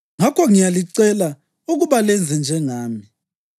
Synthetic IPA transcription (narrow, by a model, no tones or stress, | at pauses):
ŋakʰɔŋijaliǀɛla | uɣuβalɛnd͡zʱɛnd͡ʒʱɛŋaːmi